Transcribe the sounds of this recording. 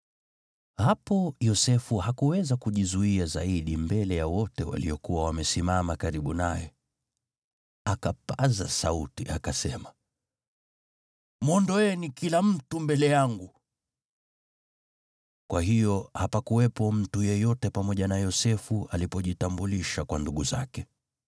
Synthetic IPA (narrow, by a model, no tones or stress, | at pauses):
hapɔjɔsɛfuhakuwɛzakuʄizuiazaiɗimbɛlɛjawɔtɛwa̰liɔkuwawamɛsimamakaɾiɓunajɛ | akapazasautiakasɛma | mɔndɔɛnikilam̩tumbɛlɛjaŋɡu | kwaɦijɔhapakuwɛpɔm̩tujɛjɔtɛpamɔʄanajɔsɛfuʔalipɔʄitambuliʃakwanduɠuza̰kɛ